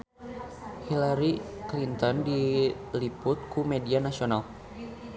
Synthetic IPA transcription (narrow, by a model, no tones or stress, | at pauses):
hilaɾiklint̪ɔndilipʊt̪̚kumedianasional